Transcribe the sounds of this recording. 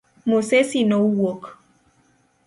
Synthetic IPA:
mosesinɔuwok

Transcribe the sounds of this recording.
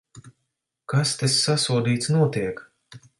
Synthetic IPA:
kast̪esːasuɔd̪iːt̪snuɔt̪iɛk

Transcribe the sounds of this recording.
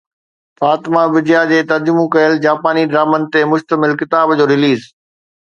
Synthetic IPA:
faːt̪ɪmabɪd͡ʑjad͡ʑeːt̪ɐɾd͡ʑʊmũkɐjəld͡ʑaːpaːniɖɾaːmənɪ̆t̪emʊʃt̪əmɪlkɪt̪aːbd͡ʑoːɾɪliːz

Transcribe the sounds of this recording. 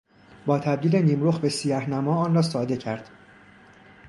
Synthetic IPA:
bɒːt̪ʰæb̚d̪iːleniːmɾoxbe̞sijæhnæmɒːɒːnrɒːsɒːd̪e̞cʰæɾd̪̥

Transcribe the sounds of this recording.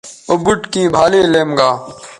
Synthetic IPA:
obʊʈkĩːbʱaːleːleːmɡaː

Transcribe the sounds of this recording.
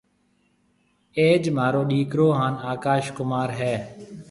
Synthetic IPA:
eːd͡ʒmaːɾoːɗiːkɾoːɦaːnaːkaːʃkʊmaːɾɦɛː

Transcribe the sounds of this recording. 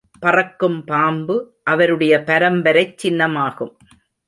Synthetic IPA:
pɐrɐkːɯmpaːmbɯ | ʔɐʋɐɾɯɽɐjɐpɐɾɐmbɐɾɐɪt͡ʃːɪnːɐmaːɣɯm

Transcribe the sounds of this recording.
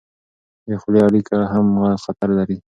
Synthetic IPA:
dexleaɽikaɦamɣaxat̪aɾlaɾi

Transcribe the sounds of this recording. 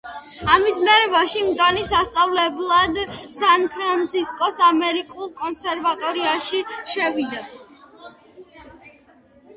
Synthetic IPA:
amismɛɾɛvaʃimɡanisast̪sʼavlɛblˠad̪sanpʰɾant̪sʰiskʼɔsamɛɾikʼulˠkʼɔnsɛɾvat̪ʼɔɾiaʃiʃɛvid̪a

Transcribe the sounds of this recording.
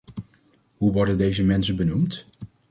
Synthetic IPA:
ɦuʋɔɹdəndejzəmɛnsənbənumt

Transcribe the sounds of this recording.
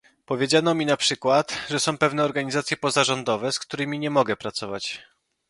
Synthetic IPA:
pɔvʲjed͡ʑanɔmʲinapʂɘkwat̪ʐɛsɔ̃w̃pɛvnɛɔɾɡaɲizat̪sʲjɛpɔzaʐɔnd̪ɔvɛskt̪uɾɘmʲiɲɛmɔɡɛpɾat̪sɔvat͡ɕ

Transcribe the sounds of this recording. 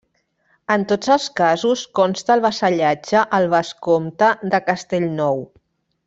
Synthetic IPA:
ənt̪od͡zəlˠskazuskɔnst̪əːlˠβəsəʎad͡ʒəʔəlˠβəskomt̪əðəkəst̪eʎnɔw

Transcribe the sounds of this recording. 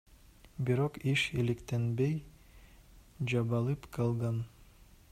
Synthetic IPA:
biɾoqiʃilɘ̆kt̪enbej | d͡ʒɑβɑlˠɯpqɑlˠʁɑn

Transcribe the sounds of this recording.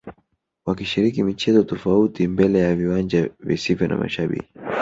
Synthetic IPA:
wakiʃiɾikimit͡ʃɛzɔtɔfautimbɛlɛjaviwand͡ʒavḭsivjɔna̰ma̰ʃaɓḭki

